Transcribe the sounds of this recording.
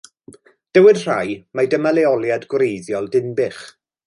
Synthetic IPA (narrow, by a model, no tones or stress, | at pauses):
d̥əwɪdr̥ajmadəmalɛɔlˠjadɡwɾejðjɔlˠdɪnbɪχ